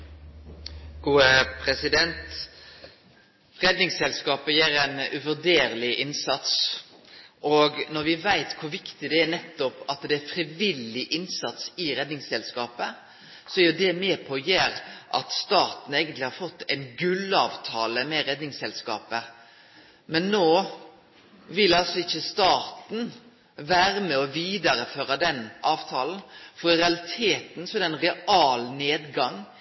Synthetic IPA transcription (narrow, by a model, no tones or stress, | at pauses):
ɡ̥uːəpʰʁɛsɪd̪ɛnt̪ | ʁɛd̪nɪŋsɛlskɑːpəjæːɾɛɪnʉʋœd̪eːɾəlɪʔɪnsɑt̪s | ʔɔɡnɔɾʋɪʋæɪt̪kʰʊɾʋɪkt̪ɪd̪ɛænɛt̪ːɔpɑt̪d̪ɛæɾfɾɪʋɪlɪʔɪnsɑt̪sɪɾɛd̪nɪŋsɛlskɑːpə | sɔæɾjʊd̪ɛmeːpʰɔjeːɾʔɑ̰t̪st̪ɑːt̪n̩eːɡənt̪lɪhɑɾfɔt̪ːɛɪnɡʉlːɑːʋt̪ʰɑːləmɛɾɛd̪nɪŋsɛlskɑːpə | mɛnːoː | ʋɪlɑlsɔɪçːəst̪ɑːt̪n̩ | ʋæːɾəmɛɔʋiːd̪ɑɾəføːɾɑd̪ɛnʔɑːʋt̪ʰɑːln̩fɔɾɪɾɛɑlɪt̪ʰeːt̪n̩sɔæɾɛɪnɾɛɑːlneːd̪ɡɑŋ